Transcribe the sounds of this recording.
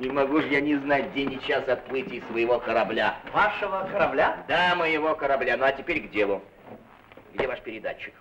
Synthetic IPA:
nʲɪmɐɡuʐjanʲɪznat̚ʲdʲenʲɪt͡ɕːasɐt̪̚plˠɨtʲɪjsvəjɪvokəɾɐblʲavaʂəvəkəɾɐblʲad̪aməjɪvo̞kəɾɐblʲanoɐtʲɪpʲeɾʲɡdʲelˠʊ | ɡdʲevaʂpʲɪɾʲɪd̪at͡ɕːɪk

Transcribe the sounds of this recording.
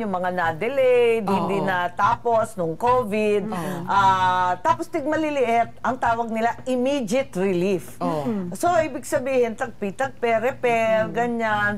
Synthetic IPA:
ʊŋmɐŋanad̪ɛlɛjd̪hɪnd̪ɪnɐt̪aːposnʊŋkoːvɪd̪̚ʔat̪aːpost̪ɪɡ̚mɐlɪlɪʔɪt̪̚ʔɐŋt̪aːwɐɡ̚nɪlaʔɪmiːd͡ʒɪt̪ɹɪlifsoʔiːbɪɡsɐbiːhɪnt̪ɐɡ̚pit̪ɐɡ̚pɛɾɛpɛɾɡɐɲan

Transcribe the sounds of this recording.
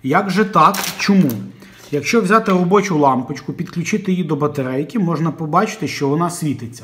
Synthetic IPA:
jɐɡʒɛt̪ɑkt͡ʃɔmu | jɐkʃt͡ʃɔʋwzʲɑt̪ɪrɔbɔt͡ʃʊlˠɑmpɪt͡ʃkʊpʲid̪klʲʊt͡ʃɪt̪ɪjid̪ɔbɐt̪eɾɛjkʲimɔʒnɐpɔbɑt͡ʃɪ̥t̪ɪʃt͡ʃɔʋɔnɑsʲʋʲit̪ɪt͡sʲːɐ̥

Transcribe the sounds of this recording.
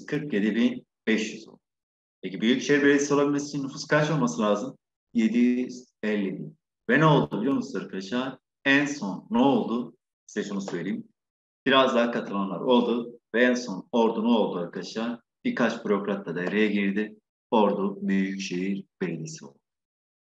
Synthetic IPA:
kʰɯɾkje̞d̪ibin | bɛʃjyzo̞̰lˠd̪u | pʰecibyjycʃe̞jiɾbelʲed̪ʲisio̞lˠabilʲmesi̥t͡ʃʰinːufuskaɾt͡ʃo̞lˠmasɯlʲaːzɯm | je̞d̪ijyz̥ | ɛlʲːib̪i | vɛnɛo̞lˠd̪ubilʲjonusaɾkʰad̪aʃaː | ænso̞nːoolˠd̪u | i̥st̪ɛsonusøjeɾijim | b̥iɾazd̪aːkʰat̪ʰɯlˠanlˠaɾʔo̞lˠd̪uvɛænso̞no̞ɾd̪unoolˠd̪uaɾkʰad̪aʃaː | b̥ikʰat͡ʃbyɾo̞kɾat̪lːad̪ajeɾejɛɟiɾd̪i | o̞ɾd̪ubyjycʃejiɾb̥e̞lʲed̪isio̞̰lˠ | u

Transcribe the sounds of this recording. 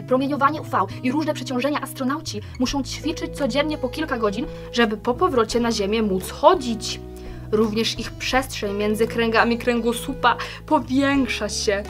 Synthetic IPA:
pɾɔmʲjeɲɔvaɲɛufawiɾuʐnɛpʂɛt͡ɕɔ̃w̃ʐɛɲaʔast̪ɾɔnawt͡ɕimuʂɔ̃w̃t͡ɕfʲit͡ʂɘt͡ɕt̪sɔd͡ʑɛnɲɛpɔkʲilkaɡɔd͡ʑin | ʐɛbɘpɔpɔvɾɔt͡ɕɛnaʑemʲjɛmut̪sxɔd͡ʑit͡ɕ | ɾuvɲɛʂixpʂɛstʂɛɲmʲjɛnd̪zɘkɾɛŋɡamʲikɾɛŋɡɔsupa | pɔvʲjɛŋkʂaɕɛ

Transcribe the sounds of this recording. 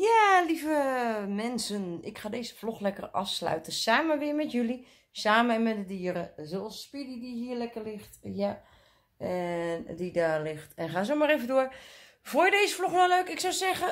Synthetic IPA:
jalivəmɛnsənɪkxaːdeːzə̥floxlɛkə̰rɑ̰fslœ̰ɥtəsaːməʋɪəmɛtjøli | saːməɛnmɛdədiːəɾəzolˠspididihiəɹlɛkərlɪxtja | ɛndidalɪxtɛnxaːs̬omaɾevəndʊər | vʊjədeːzəfloxnɔløːkɪksɔwsɛɣə

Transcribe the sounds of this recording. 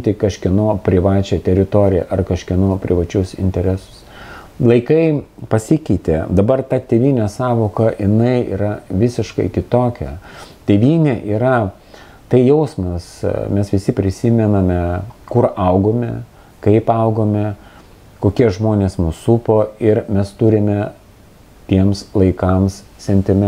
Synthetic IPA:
t̪ʲɪkɐʃʲkʲɪnoːpʲɾʲɪʋɑːt͡ʃʲɛt̪ʲɛɾʲɪt̪oːɾʲɪjɛ̰ʔɐrkɐʃʲkʲɪnoːpʲɾʲɪʋɐt͡ʃʲʊsɪ̰nʲt̪ʲɛɾʲɛsʊ̥s | lˠɐɪkɐɪpɐsʲɪkʲɛɪt̪ʲeːd̪ɐbɐrt̪ɐt̪ʲeːʋʲiːnʲɛsɑːʋoːkɐʔɪnɐɪḭːɾɐʋʲɪsʲɪʃkɐɪkʲɪt̪oːkʲɛ̰t̪ʲeːʋʲiːnʲeːʔiːɾɐ | t̪ɐɪjɛʊsmɐsmʲɛsʋʲɪsʲɪpʲɾʲɪsʲɪmʲɛnɐmʲɛkʊrʔɐʊɡoːmʲɛ | kɐɪpɐʊɡoːmʲɛ | koːkʲiɛʒmoːnʲeːsnʊsupoːɪrmʲɛst̪ʊɾʲɪmʲɛ | t̪ʲiɛmslˠɐɪkɐmssʲɛnʲt̪ʲɪmʲɛ

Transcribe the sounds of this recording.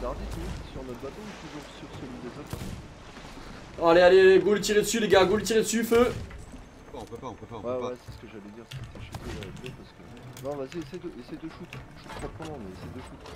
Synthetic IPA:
d̪aʁd̪it̪nũsyʁnɔt̪bat̪oet̪uʒuʁsyʁsəlid̪ezɔt̪ɛʁ | ɔ̃alealeɡolt̪iʁed̪əsyleɡaɡolt̪̬iʁed̪əsyfø | paɔ̃pøpaɔ̃pøpãwɛwɛsɛ̥sə̥kəʒalɛd̪iʁsɛt̪ɛʃut̪eaabjø̃pasə̥kə | nɔ̃baziesɛjd̪əʔesɛjd̪əʃut̪ʒuə̥kχwak̚ɑ̃nɔ̃mɛesɛjd̪əʃut̪

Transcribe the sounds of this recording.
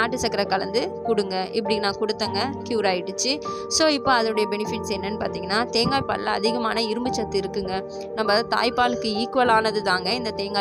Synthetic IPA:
aːʈːɯsɐkːɐɾɐkɐlɐnd̪ɯkʊɽɯŋɡɐʔɪpːɐɽɪŋɐnãːkʊɽɯt̪ːɐŋɡɐkjuːɾaːjɪʈːɯt͡ʃːɯ | soːɪpːoɐðɐɯɽɐjɐbɛnɪfɪʈːsɛnːɐnːɯpa̰ːɾt̪iːŋɡɐnːaːt̪eːŋɡaːjpa̰ːllɐ̰ɐ̰ðɪɣɐmaːnɐɪɾɯmbɯt͡ʃːɐt̪ːɯɪɾɯkːɯŋɡɐ | nɐmːɐðãːt̪a̰ːjpaːlɯkːɯiːkɯʋɐlaːnɐðɯt̪aːŋɡɐɪnd̪ɐt̪eːŋɡaː

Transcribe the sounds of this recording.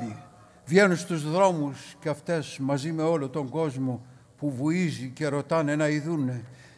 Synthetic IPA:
i | vje̞nunst̪uzðɾo̞musceɐft̪e̞smɐzime̞o̞lot̪oŋɡo̞zmo̞ | puvuizice̞ɾo̞t̪ɐne̞nɐiðunːe̞

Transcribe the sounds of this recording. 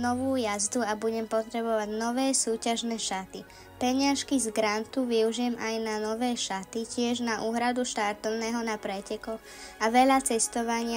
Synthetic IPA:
nɔʋuːjazd̪uabuɟɛmpɔt̪ɾɛbɔʋaɟnɔʋɛːsuːcaʒnɛʃat̪i | pɛɲɪaʃkizɡɾant̪uʋiuʒɪjɛmajnanɔʋɛːʃat̪icɪɛʒnaʔuːɦɾad̪uʃt̪aɾt̪ɔʊnɛːɦɔnapɾɛcɛkɔɣ | aʋɛʎat͡sɛst̪ɔʋaɲɪa

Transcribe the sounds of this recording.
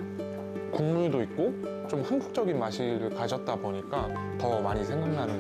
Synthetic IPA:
kuŋmuɭdoik̚k͈o | t͡ɕomhanbuk̚t͡ɕ͈ʌɡinmaɕʰiɾɯɭkad͡ʑʰʌt̚t͈aboɲik͈a | tʌmaɲisʰe̞ŋɡaŋnanɯn

